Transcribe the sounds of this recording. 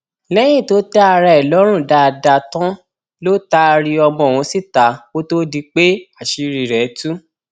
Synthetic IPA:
lɛ˦j̃ĩ˦˨to˨˦ta˦a˧ɾa˧ɛ˨lɔ˨˦ɾ̃ũ˦˨da˧˨da˧tã˦ | lo˦ta˦˧ɾi˧ɔ˧mɔ̃˧˨w̃ɔ̃˨˧˦si˦˨ta˨˦wo˦to˦di˧k͡pe˦a˦˨ʃi˨˧ɾi˨ɾɛ˨˦tu˦

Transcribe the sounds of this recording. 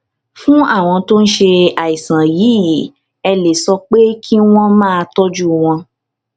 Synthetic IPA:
fũ˦a˦˨w̃ɔ̃˧to˦n̩˦ʃe˧a˨i˨sã˨ji˨˦˨ | ɛ˧le˨sɔ˧k͡pe˦kʰi˦w̃ɔ̃˦mãː˦˧tɔ˦d͡ʒu˦w̃ɔ̃˧

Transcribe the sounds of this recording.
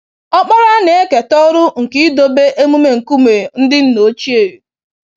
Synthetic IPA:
ɔ˦k͡pɔ˦ɾa˦ne˨e˦ke˨tɔ˦ɾʊ˦ŋ̩˨ki˦do˨be˦ʔe˦mu˦me˦ŋ̩˨ku˦me˨n̩˦dɪ˦n̩˦no˨˦t͡ʃi˦e˨ɾe˨

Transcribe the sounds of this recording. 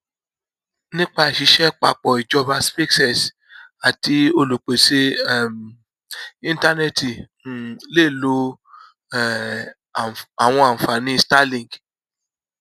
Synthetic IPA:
nĩ˦k͡pa˧˨ʃi˧ʃɛ˦k͡pa̰˧k͡pɔ˨i˨d͡ʒɔ˧va˧spi˦ksɛ˨s | a˨ti˧˦o˧lu˨k͡pe˨se˧˦˨m | ĩ˧nta˦nɛ˦ti˨ | le˦˨lo˧˦˨ | a˨w̃ɔ̃˧ã˨fa˨nĩ˧˦sta˦lĩ˨ɡ

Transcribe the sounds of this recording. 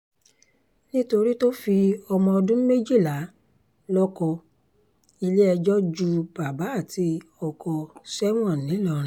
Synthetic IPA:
nĩ˦to˧ɾi˦to˦fi˧ɔ˧mɔ̃˧ɔ˧dũ˦me˦d͡ʒi˦˨la˨˦ | lɔ˦kɔ˧ | i˧le˦ɛ˧d͡ʒɔ˦d͡ʒu˧b̥a˨ba˨˦a˦˨ti˧ɔ˨kʰɔ˧sɛ˦m˦ɔ̃˨n˨nĩ˨˦lɔ˦˨ɾ̃ĩ˨

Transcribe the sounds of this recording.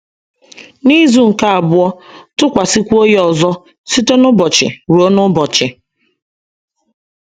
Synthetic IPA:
ni˦zu˨ŋ̩˨ka˦a˨bʊ˦ɔ˦tʊ˦kʷa˨si˦kʷu˦o˦jɔ˨zɔ˦ | si˦to˦nʊ˦bɔ˨t͡ʃɪ̰˨ɾu˨o˦nʊ˦bɔ˨t͡ʃɪ˨

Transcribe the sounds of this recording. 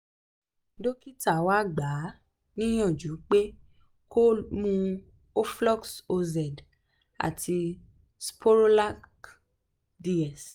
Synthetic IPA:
do˦ki˦ta˦˨wa˦ɡ͡ba˨˦ | nĩ˦j̃ɔ̃˦˨d͡ʒu˨˦k͡pe˦ | ko˦mũ˦˧ | o˦flɔ˦kso˧zɛ˨d | a̰˨tʰi˧ | spʰo˦ɾo˦la˦k | di˧ɛ˨s

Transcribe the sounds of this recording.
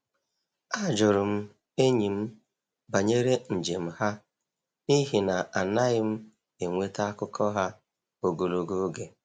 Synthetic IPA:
a˦˨d͡ʒʊ˨ɾʊ˨m̩˦ | e˦ɲi˨m̩˦ | ba˨ɲe˦ɾe˦n̩˨d͡ʒe˨m̩˦ha˦ | i˦ɦi˨na˨a˨na˦ɪ˦m̩˦ | e˨ŋʷe˦ta˦a˦kʊ˦kʰɔ˦ɦa˦ | o˨ɡo˨lo˨ɡo˦ɡe˨

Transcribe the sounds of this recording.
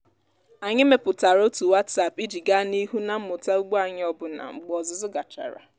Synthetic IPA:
a˨ɲɪ˦me˨pʊ˨ta˨ɾo˦tu˨wa˦tsa˦pi˦d͡ʒi˨ɡa˦ni˦ɦu˦na˨m̩˦mʊ˨ta˦u˦ɡ͡bu˦a˨ɲɪ˦ɔ˦bʊ˨na̰˨ŋ͡m̩˨ɡ͡bɔ˨zʊ˨zʊ˦ɡa˨t͡ʃa̰˨ɾa̰˨

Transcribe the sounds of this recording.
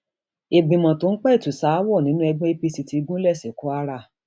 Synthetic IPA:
e˨ɡ͡bĩ˨mã˨to˦n̩˦k͡pɛ˦˨tu˨sa˦wɔ˦˨nĩ˨˦nũ˦ɛ˧ɡ͡bɔ̃˦e˦pi˧si˧ti˧ɡũ˦lɛ˦˨sɛ˨˦kɔ˨˦a˦ɾa˦˨

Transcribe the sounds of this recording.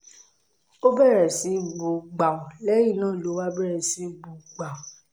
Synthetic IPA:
o˦bɛ˦˨ɾɛ˨si˨˦ɡ͡bo˧ɡ͡ba˨o˨lɛ˦ji˦˨nãː˦˨lo˨˦wa˦bɛ˦ɾɛ˨si˨˦ɡ͡bo˧˨ɡ͡ba˨o˨

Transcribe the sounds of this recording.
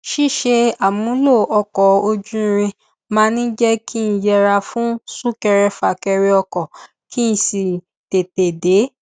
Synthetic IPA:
ʃi˦˨ʃe˧a˨mũ˨˦lo˦˨ɔ˧kɔ˨o˧d͡ʒũ˦˧ɾ̃ĩ˧ | mãː˦nĩ˦d͡ʒɛ˦ki˦n̩˨˧˦jɛ˧ɾa˧fũ˦su˦kɛ˧ɾɛ˧fa˨kɛ˧ɾɛ˧ɔ˧kɔ˨ | kʰi˦n̩˧˦si˨ | te˨te˨de˨˦

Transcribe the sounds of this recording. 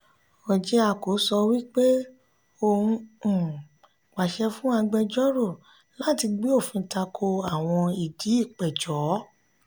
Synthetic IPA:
ɔ˨d͡ʒɛ˧a˨ko˨˦sɔ˧wi˦k͡pe˦ | o˦˧˨hũ˧˨ | k͡pa˨ʃɛ˧fũ˦a˧ɡ͡bɛ˧d͡ʒɔ˦ɾo˦˨ | la˦ti˧ɡ͡bi˦o˦˨fĩ˧ta˧kʰo˧a˦˨w̃ɔ̃˧i˨di˨˦i˦˨k͡pɛ˨d͡ʒɔ˨˦

